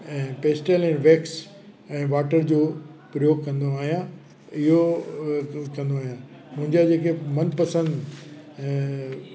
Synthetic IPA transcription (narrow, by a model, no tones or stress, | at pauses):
ɛ̃ːpeːsʈelɛ̃ːʋeːks | ɛ̃ːʋaːʈəɾd͡ʑoːpɾəjoːɡkɐ̃nd̪oaːɦijã | ɪɦo | kɐ̃nd̪oaːɦjã | mʊ̃ɦɪ̃ɲd͡ʑad͡ʑeːkemɐnpɐsə̃nd̪